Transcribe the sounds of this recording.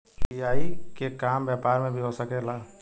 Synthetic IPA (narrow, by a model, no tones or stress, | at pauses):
ijaːikekambjapaːɾmẽbʱiɦosəkela